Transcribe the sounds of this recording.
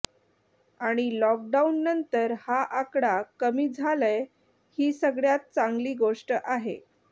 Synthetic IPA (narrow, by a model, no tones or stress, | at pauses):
aɽ̃ilɔk̚ɖaunːənt̪əɾhaʔakɽakəmiːd͡zʱaləj | hiːsəɡɭjat̪̚t͡saŋɡliːɡoʂʈəʔaɦḛ